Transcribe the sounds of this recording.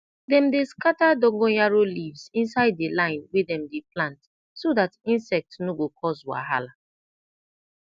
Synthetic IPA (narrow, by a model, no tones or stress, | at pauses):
dɛ̃mdeskatadɔ̃ŋɡɔjaɹolivzĩnsaɪdːelãɪ̃nwɛdɛ̃mdeplãnt | sodatĩnsɛk̚tnoɡokʰɔswa̰ɦa̰la